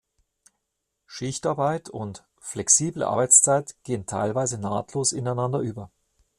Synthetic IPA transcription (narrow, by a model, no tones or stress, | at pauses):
ʃɪçtaɐbaɪtʰʊnt | flɛksiːblə̰ʔa̰ɐbaɪt͡st͡saɪtɡ̥eːəntʰa̰ɪlvaɪzəna̰ːtʰloːsɪnaɪnandɐʔyːbɐ